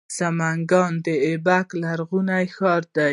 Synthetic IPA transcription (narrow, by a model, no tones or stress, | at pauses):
samaŋɡɑnd̪əebaklaɾɣunajxɑɾd̪a